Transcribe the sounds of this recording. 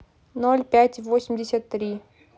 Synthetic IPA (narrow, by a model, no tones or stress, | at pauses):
no̞lʲpʲætʲvosʲɪmʲdʲɪsʲat̪ːɾʲi